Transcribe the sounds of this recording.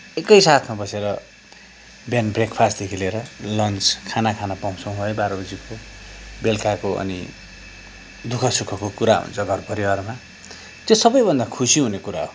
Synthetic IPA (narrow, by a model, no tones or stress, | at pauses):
ekʌjsat̪ʰmabʌseɾʌ | bjanbrekpʰast̪d̪ekʰileɾʌlʌnt͡skʰanakʰanapʌw̃sõw̃ɦoebaɾʌbʌd͡ziko | belkakoʔʌ̰ni | d̪ukʰʌsukʰʌkokuɾaɦṵnt͡sʰʌɡʱʌrpʌɾiwarma | t̪josʌbʌjbʱʌnd̪akʰusiɦunekuɾaɦo